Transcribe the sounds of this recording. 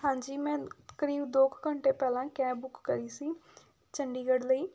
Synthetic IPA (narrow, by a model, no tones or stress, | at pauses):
ɦãːɲd͡ʒiːmɛ̃ːkəɾiːbd̪oːkkəɳʈeːpɛːlãːkɛ̃ːbʊkːəɾiːsiː | t͡ʃəɳɖiːɡəɽləiː